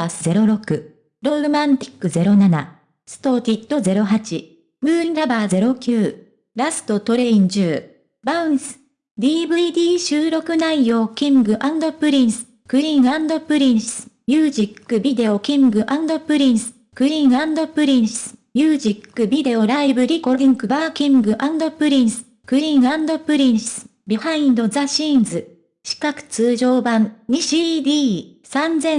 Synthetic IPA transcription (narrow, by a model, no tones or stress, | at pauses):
sɨze̞ɾo̞ɾo̞kɯ̟ | ɾo̞ɾomãnt̪ʲi̥kːɯ̟ze̞ɾo̞nana̰ | sɨ̥t̪o̞ːt̪ʲit̪ːo̞ze̞ɾo̞ɦat͡ɕi | mɯ̟ːɾiɾabaːze̞ɾo̞kʲɨː | ɾasɨ̥t̪o̞t̪o̞ɾe̞ĩɲ̟d͡ʑɨː | baɯ̟̃sɨ̥ | d̪ʲiːbɯ̟id̪ʲiːɕɨːɾo̞kɯ̟naijo̞ːkʲĩŋɡɯ̟ʔãnd̪o̞pɯ̟ɾʲĩɰsɨ̥ | kɯ̟ɾʲĩŋãnd̪o̞pɯ̟ɾʲĩsɨɨ̥mʲjɯːʑikːɯ̟bʲid̪e̞o̞kʲĩŋɡɯ̟ʔãnd̪o̞pɯ̟ɾʲĩsɨ̥ | ɯ̟ɾʲĩɰãnd̪o̞pɯ̟ɾʲĩɰ̃sɨ̥mʲjɯːʑikːɯ̟bʲid̪e̞o̞ɾaibɯ̟ɾʲikod̪ʲĩŋkɯ̟baːkʲĩŋɡɯ̟ʔãnd̪o̞pɯ̟ɾʲĩɰ̃sɨ̥ | kɯ̟ɾʲĩɰãnd̪o̞pɯ̟ɾʲĩɰ̃sɨ̥ɨ̥ | bʲihaĩnd̪o̞zaɕĩːnd͡zɨ | ɕi̥kakɯ̟̥t͡sɨːʑo̞ːbãnɲiɕid̪ʲiː | sãnd͡zẽ̞